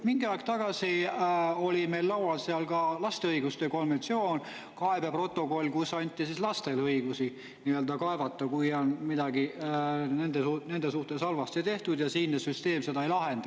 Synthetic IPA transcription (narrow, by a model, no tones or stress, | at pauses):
miŋɡ̥iɑˑjkst̪ɑɡ̥ɑsi | o̞lʲime̞lːɑwwɑlseɑlkɑlɑst̪eɤiɡ̥ust̪e̞ko̞nve̞nt̪sio̞ːn | kɑebepro̞t̪ːˑo̞ko̞lʲːkusːɑnʲt̪ʲˑːisislɑst̪e̞lɤiɡ̥usi | niøld̪ɑkɑe̞vɑt̪ːˑɑkujonmid̪ɑɡine̞nd̪eune̞nd̪esuht̪e̞sɑlvɑst̪et̪eht̪ud̪jɑsiːnːesyst̪e̞ːmse̞d̪ɑejlɑɦe̞nd̪̥ɑ